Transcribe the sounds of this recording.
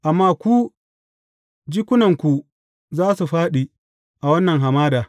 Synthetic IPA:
ʔa˨mːaː˦kʷuː˦ | d͡ʒiː˦kʷʊ˦nɐ˨ŋkʷu˨ | zaː˦su˨ɸaː˦ɗiː˨ | ʔa˨wɐ˦nːɐ˨ŋɦa˨maː˦daː˨

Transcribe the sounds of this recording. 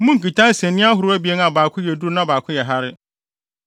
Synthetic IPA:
mũ˦ŋ̩˨ki˨tʰã˦n˦sɛ̃˨nːɪ̃˦a˦ɦʊ˨ɾʊ˦æ˦bi˨˦ɛ˦na˨baː˨kʰʊ̃˦jɛ˨du˦ɾnã˦baː˨kʰʊ̃˦jɛ˨ɦa˦ɾɪ˦

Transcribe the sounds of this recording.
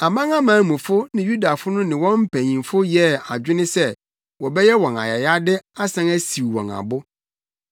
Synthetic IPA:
a˨mã˦ŋa˦mãː˨˦mũ˨fʊ˦nɪ̃˨ju˦da˨fʊ˦nʊ̃˦nɪ̃˨wɔ̃˦m̩˦pʰæ˨ɲĩ˨mfʊ˦jɛ˦a˨d͡ʑᶣɪ˦nɪ̃˦sɛ˦ | wɔ˨bɛ˦jɛ˦wɔ̃˨na̰˨ja˨ja˦dɪ˦a˦sã˦ŋæ˦si˨wwɔ̰̃˨ŋa̰˨bʊ˦

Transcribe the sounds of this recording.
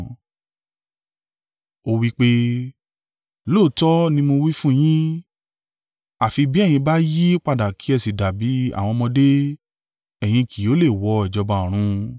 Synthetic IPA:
o˧˦wi˦k͡pe˦ | lo˦˨˦tɔ˦nĩ˧mo˧wi˦fũ˦j̃ĩ˦ | a˨fi˧bi˨˦ɛ˦˨j̃ĩ˧ba˦ji˦k͡pa˧da˨kʰi˨˦ɛ˦˨si˨da˨bi˨˦a̰˦˨w̃ɔ̃˧mɔ̃˧de˦ | ɛ˨j̃ĩ˧kʰi˨o˨˦le˦˨wɔ˧ɛ˨d͡ʒɔ˧bã˧˨ɾ̃ũ˧

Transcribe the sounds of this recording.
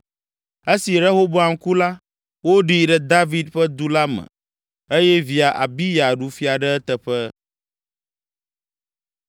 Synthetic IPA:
e˦si˨ɾe˦ɦo˦bo˦a˨ŋ̩˦ku˦la˦ | wo˦ɖi˦ɖɛ˨d̪a˦vi˦d̪ɸə˦d̪u˦la˦mɛ̰̃˨ | e˦jɛ˦vi˨a˨ʔa˨bi˦ja˨ɖu˨fi˦a˨ɖɛ˦ɛ˦t̪ə˨ɸɛ˦

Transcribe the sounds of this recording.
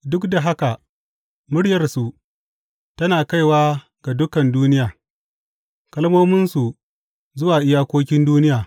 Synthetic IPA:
dʊ˦kda˨ɦa˦ka˨ | mʊ˦ɽjɐ˨rsu˨ʔ | tɐ˦naː˨ka˦jwaː˦ | ɡ̥a˨dʊ˦kɐ˨nduː˦nɪ˦jaː˨ | kɐ˦lmoː˦mɪ˦nsu˨ | zʊ˦waː˨ʔɪ˦jaː˦kʷoː˦kʲɪ˦nduː˦nɪ˦jaː˨

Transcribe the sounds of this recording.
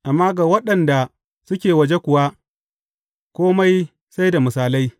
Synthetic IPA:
ʔa˨mːaː˦ɡaː˨wɐ˦ɗɐ˨nda˨ | sʊ˦kʲeː˨wɐ˨d͡ʒe˦kʷʊ˨wa˦ | kʷoː˦ma˦j | sa˦jda˨mʊ˨saː˨la˦j

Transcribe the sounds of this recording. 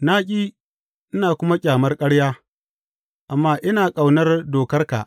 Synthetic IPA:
naː˦kʲʼiː˦ | ʔɪ˦naː˨kʷʊ˦ma˦kʲʼaː˨mɐ˦rkʼɐ˦ɽjaː˦ | ʔa˨mːaː˦ʔɪ˦naː˨kʼa˨wnɐ˦rdoː˨kɐ˦rka̰˨ʔ

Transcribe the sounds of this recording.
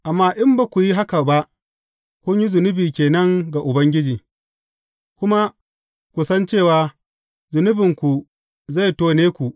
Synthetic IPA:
ʔa˨mːaː˦ʔɪ˦mba˨kʷu˨ji˦ɦa˦ka˨ba˦ʔ | kʷʊ˦ɲji˦zʊ˨nʊ˦biː˨kʲeː˨nɐ˦ŋɡa˨ʔʊ˨bɐ˦ŋɡʲɪ˦d͡ʒiː˨ | kʷʊ˦ma˦ | kʷu˨sɐ˦nt͡ʃeː˦˨waː˨ | zʊ˨nʊ˦bɪ˨ŋkʷu˨ | za˦˨jtoː˦neː˦kʷu˨ʔ

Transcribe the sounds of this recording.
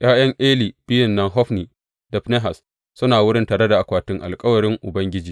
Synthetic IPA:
j̰ʔaː˦j̰ɐ˦ŋʔeː˦liː˨bɪ˦jɪ˨nːɐ˦ŋɦɔ˦ɸniː˨ | da˨ɸne˦ɦa˨s | sʊ˦naː˨wʊ˦ɽɪ˦ntaː˨ɾe˦da˨ʔa˨kʷaː˨tɪ˦ŋʔa̰˨lkʼɐ˦wɐ˨ɽɪ˦ŋʔʊ˨bɐ˦ŋɡʲɪ˦d͡ʒiː˦

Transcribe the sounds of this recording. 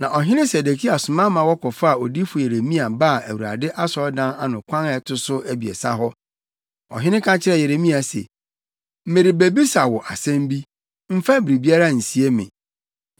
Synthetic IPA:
nã˨ʔɔ˨ɦɪ̃˦nɪ̃˦se˨de˨kʰi˦a˨sʊ˨mã˦mã˨wɔ˦kʰɔ˨fa˦a˨ɔ˨di˦fʊ˨je˨ɾe˨mĩ˦a˨ba˦˨æ˨wu˨ɾa̰˨dɪ˦ʔa˦sɔ˦dã˦na˨nʊ̃˨kʷʰã˦nɛ˨tʰʊ˦sʊ˦ʔæ˦bi˨ɛ̰˨sa˦ɦɔ˦ | ɔ̰˨ɦɪ̃˦nɪ̃˦kʰã˦t͡ɕʰɪ˦ɾɛ˦je˨ɾe˨mĩ˦a˨sɛ̰˨ | m̩˦mẽ˨ɾi˨be˨bi˦sa˨wɔ˨ʔa˨sɛ̃˦m˦bi˦ | m̩˦fa˦bɪ˨ɾi˨bi˦a˦ɾa˦˨n̩˨si˨e˦mɪ̰̃˨

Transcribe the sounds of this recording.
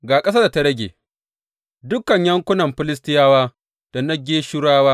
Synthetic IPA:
ɡaː˨kʼɐ˦s̬a˦da˨tɐ˦ɽɐ˦ɡʲḛː˨ | dʊ˦kɐ˨ɲjɐ˦ŋkʷʊ˦nɐ˨mɸɪ˦lɪ˦s̬tɪ˦jaː˦waː˦ | d̥a˨nɐ˦ɡʲeː˦ʃɪ˦ɽaː˦waː˦

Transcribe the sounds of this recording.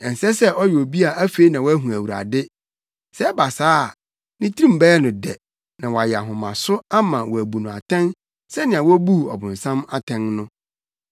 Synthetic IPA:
ɛ˨n̩˨sɛ˦sɛ˦ʔɔ˦jɛ˨o˨bi˦a˨æ˦fe˦i˦nã˨wɔ˦æ˦ɦũ˨æ˨wu˨ɾa̰˨dɪ˦ | sɛ˦ɛ˦ba˨saː˦˨ | nĩ˦tʰi˦ɾĩ˦m̩˨bɛ˦ɛ˦nʊ̃˨dɛ˨ | nã˨wɔ˨a˨jɛ˨a˨ɦʊ̃˨mã˨sʊ˦a˦mã˨wɔ˨æ˨bu˨nʊ̃˨a˨tʰɛ̃˦n | sɛ˦nɪ̃˨ã˨wɔ˦bu˦˨ɔ̰˨bʊ̃˨n˨sã˦ma˦tʰɛ̃˦nnʊ̃˦

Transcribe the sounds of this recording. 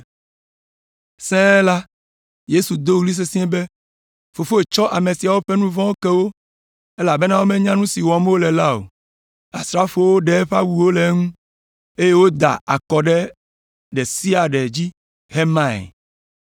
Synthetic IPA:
sɛ̃˦la˦ | je˦su˨d̪o˦wu˦li˦s̬e˦sĩ˦ɛ̃˦be˦ | fo˨fo˦e˨t͡ʃɔ˦ʔa˨mẽ˨si˨a˨wo˦ɸɛ˦nũ˦vɔ̃˦wo˦kɛ˦wo˦ | e˦la˨be˦nã˦wo˦mẽ˦ɲã˦nũ˦si˨wɔ˨me˦wo˦lɛ˨la˦o̰˨ | a̰˨sɾa˦fo˦wo˦ɖɛ˨˦ɸa˦wu˨wo˦le˨˦ŋũ˦ | e˦je˦wo˦d̪a̰˨a˨kɔ˨ɖɛ˦ | ɖe˨si˦a˨ɖɛ˨d͡ʑi˦ | he˦mã̰˦˨

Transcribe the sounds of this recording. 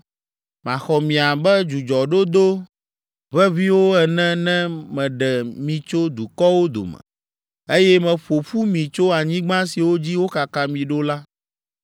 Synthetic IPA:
mã˨xɔ˨mĩ˨a˨bɛ˦d͡ʒu˨d͡ʒɔ˨ɖo˦d̪o˦ | βɛ˦vi˦wo˦ɛ˨nɛ̃˦nɛ̃˦mɛ̃˨ɖɛ˨mĩ˨t͡ʃo˦d̪u˨kɔ˦wo˦d̪o̰˨mɛ̰̃˨ | e˦jɛ˦mɛ̃˨ɸo˨ɸu˦mĩ˨t͡ʃo˦a˨ɲĩ˦ɡ͡bã˦si˨wo˦d͡ʑi˦wo˦ka˨ka˦mĩ˨ɖo˦la˦

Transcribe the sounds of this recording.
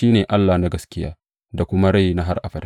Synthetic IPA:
iː˦neː˨ʔa˦lːaː˨na˦ɡɐ˦skʲɪ˦ja̰ː˦ | da˨kʷʊ˦ma˦ɽa˦˨jna˦ɦa˦rʔa˨ɸɐ˨ɾ

